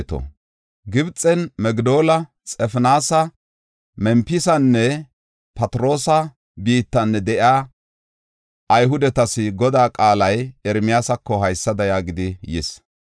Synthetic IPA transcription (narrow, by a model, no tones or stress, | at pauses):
t̪ɔ̰ | ɡɪbt͡sʼːɛnmɛɡd̪o̞ːlɐ | t͡sʼɛfnaːsɐ | mɛmpɪsɐnːɛ | pɐt̪ɾo̞ːsɐ | biːt̪ːɐnːɛd̪ɛʔjaː | ʔɐjɦʊd̪ɛt̪ɐsɪɡɔd̪aːkʼaːlɐjɛɾmɪjaːsɐkːɔɦɐjsːɐd̪ɐjaːɡɪd̪ɪjɪ̰s